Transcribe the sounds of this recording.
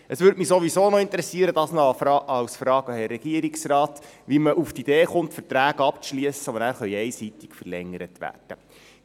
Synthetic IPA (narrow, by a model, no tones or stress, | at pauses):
əsʋʏːɾdmisoʋisoːnɔɪnt̪əɾɛsiəɾəd̥̪ɑːsnɔfɑɑwsfɾɑːɡɑhɛrːɛɡ̥iəɾiksrɑːt̪ʋiməʔuft̪id̥̪eːχʊntfəɾtɾæːɡ̥əɑp̚t͡sʃliəsəɔbənæːɾχœʏɛɪsit̪ikfərlɛŋːəɾət̪ʋæ̰ːrd̥ə